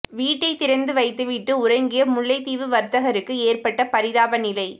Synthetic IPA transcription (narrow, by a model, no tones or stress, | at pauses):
ʋiːʈːɐɪt̪ːɪɾɐnd̪ɯʋɐɪt̪ːɯʋɪʈːɯʊrɐɪŋɡɪjɐmʊɭːɐɪt̪iːʋɯʋɐɾt̪ɐɣɐɾɯkːɯeːrpɐʈːɐpɐɾɪðaːbɐnɪlɐɪ